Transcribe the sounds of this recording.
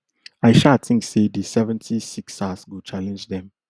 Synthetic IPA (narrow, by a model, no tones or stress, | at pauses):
aɪʃatĩŋksedisɛvɛ̃ntʰisiksasɡot͡ʃalɛ̃nd͡ʒdɛ̃m